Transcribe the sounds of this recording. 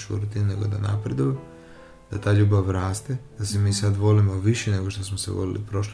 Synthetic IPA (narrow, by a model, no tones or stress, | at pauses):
t͡ʃṵɾut̪inuneɡo̞d̪a̰na̰pɾed̪uje | d̪̥at̪aːʎuːbaʋɾaːst̪ed̪̥asemiːsad̪ʋo̞limo̞ʋiʃene̞ɡo̞ʃt̪osmosḛʋo̰lḭlḭpɾo̞ʃl